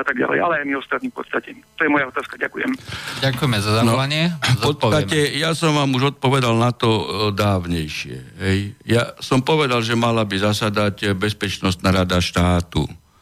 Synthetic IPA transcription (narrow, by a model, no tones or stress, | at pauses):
at̪aɡɟa̰lɛ̰ja̰lɛajmiɔst̪at̪nifpɔ̰t̪st̪acɛt̪ɔjɛmɔjaɔt̪aːskaɟakujɛ̰mɟakujɛmɛzazanɔaɲɪɛzɔt̪̚ɔacɛjasɔmʋaːmuʒɔt̪̚pɔʋɛd̪alnat̪ɔd̪aːʋɲɛjʃɪɛ̰ɦɛjjasɔmpɔʋɛd̪alʒɛmalabizasad̪aɟbɛspɛt͡ʃnɔst̪naːɾad̪aʃt̪aːt̪ṵ